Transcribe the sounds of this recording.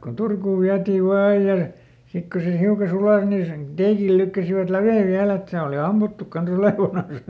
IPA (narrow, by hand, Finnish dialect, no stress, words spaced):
ko turkuːʋ ʋiætiːʋ ʋɑː ɑij jɑ sik ko se hiukɑ sulɑˑs nin sen teːkil lykːæsiʋæt læʋeˑ ʋiæl et se oli ɑmːutːuk kɑns oleˑʋɑnɑn̞s